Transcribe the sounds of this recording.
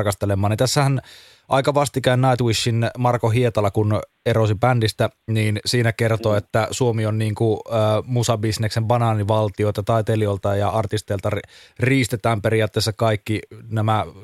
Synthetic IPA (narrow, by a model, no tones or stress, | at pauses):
rkɑst̪elemːɑːnint̪æsːæhæn | ʔɑ̰ikɑʋɑst̪ikæinnɑit̪wiʃːinmɑrkoɦiet̪ɑlɑkun | erosipændist̪æniːnsiːnækert̪oːet̪ːæsuomionniːŋkumusɑbisneksembɑnɑːniʋɑlt̪ioit̪ɑt̪ɑit̪eliolt̪ɑjɑɑrt̪ist̪eːlt̪ɑrriːst̪et̪æːmpeɾiɑːt̪ːeːsːɑkɑikːinæmæ